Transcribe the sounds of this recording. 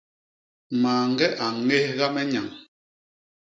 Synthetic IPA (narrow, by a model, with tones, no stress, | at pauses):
maː˨ŋ̩˦ɡɛ˦ʔa˨ŋe˦hɣa˦mɛ˦ɲa˨ŋ